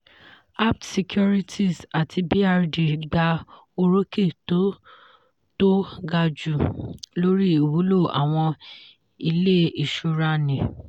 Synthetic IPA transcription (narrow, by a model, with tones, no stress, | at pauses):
a˦p̚tsi˨kʰu˦ɾi˦tʰi˦˨sa˨tʰi˧bi˦a˧ɾdi˨ɡ͡ba˧ | o˧ɾo˦ke˦˨to˦ | to˦ɡa˧d͡ʒu˨lo˦ɾi˦i˨wu˨˦lo˦˨a̰˨w̃ɔ̃˧ | i˧le˦i˨ʃu˨˧ɾa˧nĩ˨